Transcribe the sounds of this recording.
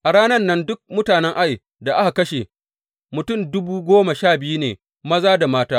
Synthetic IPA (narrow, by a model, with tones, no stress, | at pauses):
ʔa˨ɽaː˦nɐ˦nːɐ˦ndʊ˦k̚mʊ˦taː˨nɛ˦ŋʔa˦j | da˨ʔa˦ha˨kɐ˦ʃe˨ | mʊ˨tʊ˦˨mdʊ˦buː˦ɡʷoː˦ma˨ʃaː˦˨bɪ˦ju˦nḛː˨ | mɐ˦zaː˦da˨maː˦taː˦